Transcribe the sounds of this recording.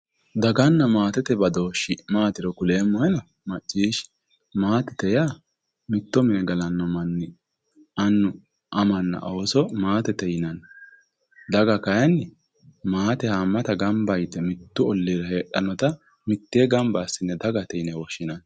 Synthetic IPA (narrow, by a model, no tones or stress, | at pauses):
d̪ɐɡɐnːɐmaːt̪ɛt̪ɛbɐd̪o̞ːʃɪmaːt̪ɪɾɔkʊleːmɔjɛnɐ | mɐt͡ʃʼːiːʃ | maːt̪ɛt̪ɛja | mɪt̪ːɔmɪnɛɡɐlɐnːɔmɐnːɪ | ɐnːʊ | ʔɐmɐnːɐ̰ʔoːsɔmaːt̪ɛt̪ɛjɪnɐn | d̪ɐɡɐkɐjɐnːɪ | maːt̪ɛhaːmːɐt̪ɐɡɐmbɐjt̪ːɛmɪt̪ːʊɔlːiɾɐheːɗɐnɔt̪ɐ | mɪt̪ːeɡɐmbɐsːɪnːɛd̪ɐɡɐt̪ɛjnɛwɔʃːɪnɐn